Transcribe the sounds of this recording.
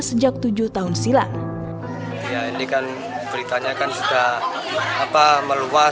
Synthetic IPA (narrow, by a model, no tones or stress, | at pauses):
səd͡ʒak̚t̪ud͡ʒʊht̪aɦʊnsila | jainikan | bəɾit̪aɲakansit̪aː | paməlua